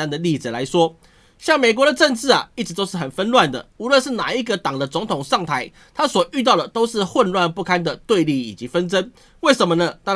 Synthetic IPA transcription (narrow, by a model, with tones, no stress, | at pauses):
a˥nd̪ə˨li˥˩t͡sɹ̩˨˩la̰˧˦ɪʂwɔ˥ | ɕjɑ˥˩ŋme˨˩ɪk̬wɔ˧˦ɾə˨ʈ͡ʂə˥˧nt͡sɻ̩˥˩ɐ̰˨˩i˥˩ʈ͡ʂɻ̩˧˥t̪o˥ʊʂɻ̩˥˩xə˨˩nfə˥nlwa˥˩nd̪ə̰˩u˧˥lwə˥˧nʂɻ̩˥˩na̰˨˩i˦˥ɡə˨t̪ɑ˨˩ŋd̪ə˦t͡sʊ˧˥ŋt̪ʰʊ˨˩ŋʂɑ˥˩ŋt̪ʰa˧˥ɪ | t̪ʰa˥swɔ˨˩y˥˧t̪̬ɑ˥˩ʊd̪ə˩t̪o˥ʊʂɻ̩˥˧xwə˥˧nlwa˥˧npu˥˩kʰa˥nd̪ə˨t̪we˥˧ɪli˥˩i˨˩t͡ɕi˨˧˥fə˦nt͡sə˦n | we˥˩ɪʂə˧˦nmə˧nə˨˩t̪a˥˧